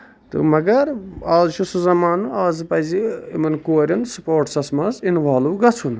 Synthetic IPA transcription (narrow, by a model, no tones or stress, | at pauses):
t̪ɨ̰mɐɡɐɾaːzt͡ʃʰusuzɐmaːnɨaːzɨpɐziimɐnkoːɾʲɐnsupoːɾʈsɐsmɐzinʋaːluɡɐt͡sʰun